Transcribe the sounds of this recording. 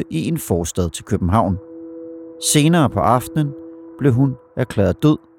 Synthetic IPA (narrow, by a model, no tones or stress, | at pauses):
əʔiʔe̝nfɒːsd̥ɛð̞ˠt͡sʰe̝lkʰøb̥m̩ɦɑ̈ʊ̰n | se̝ːnɐːpʰɒ̽ʔɑ̈fd̥ənb̥le̝ɦun | ʔækʰlɛːð̩ˠd̥øð̰ˠ